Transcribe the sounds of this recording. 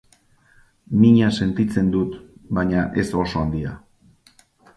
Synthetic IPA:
miɲase̞nt̪it͡se̞nd̪ut̪baɲaʔe̞so̞so̞and̪ia̰

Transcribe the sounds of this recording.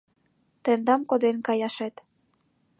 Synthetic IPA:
t̪ĕnd̪ɑmkod̪enkɑjɑʃet̪

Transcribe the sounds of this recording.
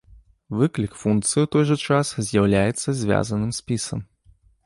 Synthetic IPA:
vɨklʲikfunk̚t̪sɨjiwt̪ɔjʐɐt͡ʂaszʲjɐwlʲajɛt̪sːɐzʲvʲa̰zɐnɨmsʲpʲisɐm

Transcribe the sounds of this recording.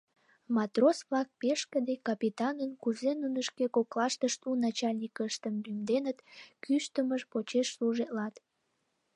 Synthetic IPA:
mɑt̪rosβlɑk̚peʃkəd̪ekɑpit̪ɑnənkuzenunəʃkekoklɑʃt̪əʃt̪unɑt͡ɕɑlʲnʲikəʃt̪əmlymd̪enət̪kyʃt̪əməʃpot͡ɕeʃsluʒet̪lɑt̪

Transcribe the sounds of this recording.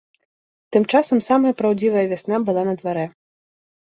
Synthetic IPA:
t̪ɨmt͡ʂasɐmsamɐjɐpɾawd͡zʲivɐjɐvʲasnabɨlˠanɐd̪vaɾɛ

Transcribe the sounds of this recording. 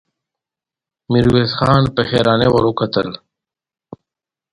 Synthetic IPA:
miɾweːsxaːnpexeːɾaːnewɐɾukʰət̪ə̰l

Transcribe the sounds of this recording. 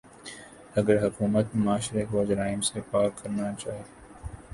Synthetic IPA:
ɐɡəɾɦʊkuːmət̪maːʃɾekoːd͡ʒɾaːɪmsepaːkːɐɾnat͡ʃaːɦe

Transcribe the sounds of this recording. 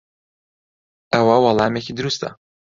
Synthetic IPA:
ʔɐwɐwɑlˠɑːmeciːd̪ɨɾust̪ɐ̰

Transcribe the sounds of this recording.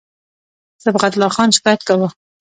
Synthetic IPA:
zəbʁat̪lɑxɑnʃɪ̥kɑjat̪̚kawə

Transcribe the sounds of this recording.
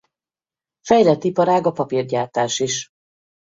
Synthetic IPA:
fɛjlɛt̪ːipɒɾaːɡɒpɒpirɟaːt̪aːʃiʃ

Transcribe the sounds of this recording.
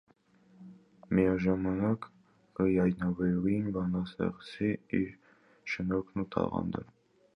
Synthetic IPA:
mijɑʒɑmɑnɑk | kəjɑjnɑvɛɾuinbɑnɑsɛ̰ʁsiiɾ | ʃənɔkʰnut̪ʰɑ̰ʁɑ̰nd̪ɛ̰ɾ

